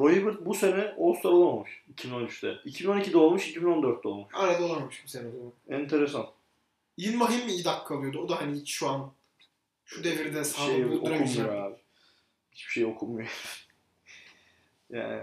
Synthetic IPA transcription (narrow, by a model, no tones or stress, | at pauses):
ɾojibɯɾd̪̚buse̞nɛolˠst̪ʰaɾlˠamˠmuʃicʰibino̞nyt͡ʃt̪ʰɛicʰibino̞nicʰid̪ɛolˠmuʃicibino̞nd̪øɾt̪̚ʰːɛolˠmuʃajɾad̪olˠammɯʃbusenɛd̪ɛaɛint̪ʰeɾesan | jinmaɦimːiid̪akʰːalˠɯjod̪uod̪aɦaniit͡ʃʃuan | ʃud̪eviɾd̪ɛsaʃejokumujoɾaːbɪ | hi̥t͡ʃbi̥ʃe̞jio̞kʰumːjo | ja̰ːnɪ̰